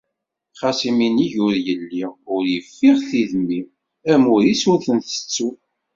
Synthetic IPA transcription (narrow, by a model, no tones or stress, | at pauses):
χɑsiminiʝʊɾjəlːiʊɾjəfːiʁθiðmːi | æmʊɾisʊɾθənθə̥t͡sːu